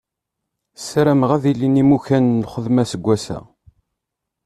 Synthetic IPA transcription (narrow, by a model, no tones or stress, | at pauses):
sɾæmʁæðilːinimuçænːχəðmæsəɡʷːæsæ̰